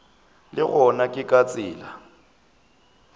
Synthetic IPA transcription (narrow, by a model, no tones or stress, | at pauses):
lɪɣɔnakʼɪkʼat͡sʼɪːla